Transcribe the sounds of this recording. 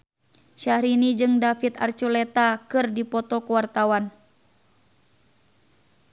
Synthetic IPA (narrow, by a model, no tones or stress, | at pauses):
ʃahɾinid͡ʒɨŋdafit̪a̰rt͡ʃulɛt̪akɨrdipɔt̪ɔkuwart̪awan